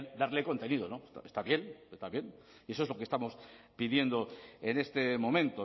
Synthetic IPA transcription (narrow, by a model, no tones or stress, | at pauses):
d̪aɾleko̞nt̪e̞nið̞onost̪a̰est̪aβje̞nest̪aβje̞n | iesoezlo̞kest̪amo̞spið̞je̞nd̪o̞ene̞st̪e̞mo̞mẽnt̪o